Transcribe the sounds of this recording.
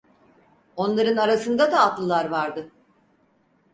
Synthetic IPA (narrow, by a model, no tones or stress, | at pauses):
o̞nlˠaɾɯnaɾasɯnd̪ad̪aːt̪lˠɯlˠaɾvaɾd̪ɯ